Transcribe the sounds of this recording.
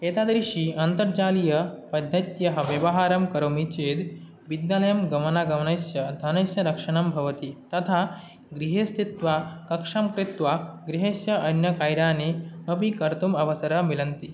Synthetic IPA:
eːt̪aːd̪ɾiʂiːɐnt̪ɐɾd͡ʒaːlijɐpɐd̪ʱːɐt̪jɐɦɐʋjɐʋɐɦaːɾɐmkɐɾoːmit͡ʃeːd̪ | bid̪jaːlɐjɐmɡɐmɐnaːɡɐmnɐsjɐd̪ʱɐnɐsjɐɾɐkʂɐɳɐmbʱɐʋɐt̪it̪ɐt̪ʰa | ɡɾiɦest̪it̪ʋakɐkʂɐmkɾit̪ʋaɡɾiɦesjɐʔɐnjɐkaːjɾaːnemɐpikɐɾt̪umɐʋɐsɐɾɐmilɐnt̪i

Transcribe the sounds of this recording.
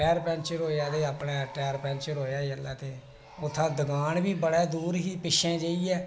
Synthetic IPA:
ɛːɾpɛ̃ːnt͡ʃəɾɦoːjaːt̪eːapɳɛːəʈɛːɾpɛ̃ːnt͡ʃəɾɦoːjaːəlɛːt̪eː | ʊt̪ʰːãːd̪əɡaːnbiːbəɽɛːd̪uːɾɦiːpɪʃẽːd͡ʒeːiːɛː

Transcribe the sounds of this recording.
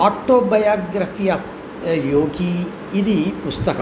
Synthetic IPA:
aːʈoːbɐjaːɡɾɐfʰiːaːf | joːɡiː | d̪ipust̪ɐkɐ

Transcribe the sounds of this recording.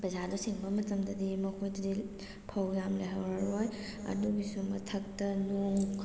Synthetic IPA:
bɐzadusiŋbɐmɐtɐmdɐdimɐkʰojdɐdi | pʰɐwjamleɦɐwɾaɾɦoj | ɐ̰duɡisumɐtʰɐk̚tɐnuŋk

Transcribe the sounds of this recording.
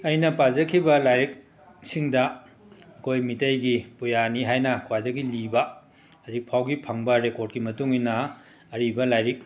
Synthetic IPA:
ɐjnɐpazɐkʰibɐlajɾik̚ | siŋdɐː | kʰojmitɐjɡipujaniɦajnɐkwajdɐɡilibɐ | hɐzik̚pʰawɡipʰɐŋbɐɾekoɾt̚kimɐtuŋinɐː | ɾibɐlajɾik̚

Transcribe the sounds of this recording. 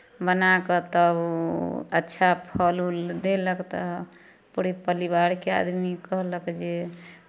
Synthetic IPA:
bənakət̪ə | ə̰tːʃʰapʰɔluld̪eləkt̪ɔ | puɾipəɾiβaɾkea̰d̪mikəɦləkd͡ʒe

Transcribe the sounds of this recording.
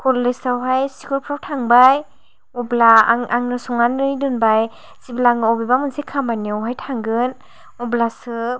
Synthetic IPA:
kʰɔlːɯjsawɦajsi̥kuɾpʰɾawtʰaŋbaj | ɔblaŋaŋnɯsɔŋanːɯjdɯnbaj | z̥iblaŋɯɔwbibamɯnsekʰamaniɔwɦajtʰaŋɡɯn | ɔblasɯ

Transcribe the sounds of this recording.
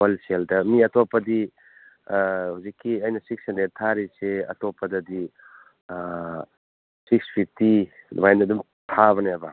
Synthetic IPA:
olseldɐmiɐtʰɔpːɐdi | huzikːiɐjnɐsik̚sendetʰaɾiseɐ̰tɔpːɐdɐdi | sikspʰip̚ʰtid̰majndɐdum | tʰaβɐneabɐ

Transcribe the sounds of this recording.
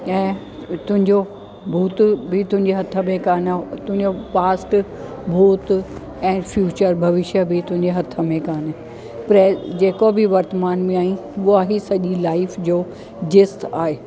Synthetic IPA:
ɛ̃ː | t̪ʊ̃ɦɪ̃ɲd͡ʑo | bʱuːt̪bʱɪt̪ʊ̃ɦɪ̃ɲd͡ʑeɦɐt̪ʰə̆mẽkaːnt̪ʊ̃ɦɪ̃ɲd͡ʑopaːsʈ | bʱuːt̪ | ɛ̃ːfjuːt͡ɕəɾbʱɐʋɪʃjəbʱɪt̪ʊ̃ɦɪ̃ɲd͡ʑeɦɐt̪ʰə̆mẽkaːn | pɾɛd͡ʑeːkobʱɪʋɐɾt̪əmaːnmẽaːĩuaɦisɐʄilaːɪfd͡ʑoː | d͡ʑɪst̪aːɦeː

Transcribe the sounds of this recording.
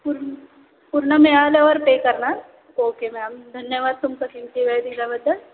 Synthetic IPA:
pʊɾ | pʊɾnəmẽaːlʋɔɾpeːkɐɾna | oːkemẽɐmd̪ʱɐnjəʋaːd̪̚t̪ʊmkakɪmt̪iʋeːd̪id͡ʒabɐd̪ːɐ

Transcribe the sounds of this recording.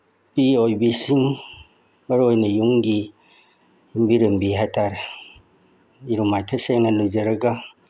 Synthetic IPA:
piojbisiŋ | bɐɾojnɐjuŋɡi | umbiɾɯmbiɦajtʰaɾe | iɾumajtʰɐseŋnɐlujd͡ʒɐɾɐɡa

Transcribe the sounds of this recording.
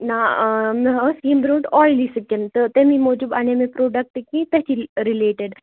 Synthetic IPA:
naməsimbɾoʈɔjlisəkent̪ət̪emimod͡ʒubanemepɾoɖək̚ʈekĩt̪əɕiɾileʈeɖ

